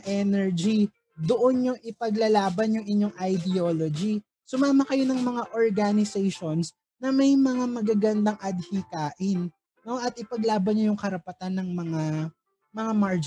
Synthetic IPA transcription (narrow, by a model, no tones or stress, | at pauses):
ʔɛnɛɹd͡ʒi | d̪oʔo̞nɲoŋʔɪpɐɡlɐlaːbɐnjʊŋʔɪɲjo̞ŋʔɐjd̪ɛoːlod͡ʒi | sʊmaːmɐkɐjo̞nɐŋmɐŋaʔoɹɡanɪsɛjʃons | nɐmɐjmɐŋamɐɡaɡɐnd̪aŋʔɐd̪hikaːʔɪnː | o̞ʔɐt̪ɪpɐɡlaːbɐnɲojʊŋkɐɾɐpɐt̪anːɐŋmɐŋa | mɐŋamaɹd͡ʒ